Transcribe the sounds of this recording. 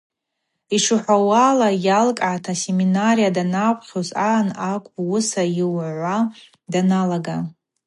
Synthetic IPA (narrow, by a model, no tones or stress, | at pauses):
iʂuħʷawaːlajalkʼʕatʰase̞minarijadanakʷʼχʲozanakʷʼwʊsaiwʕʷa | danalaɡa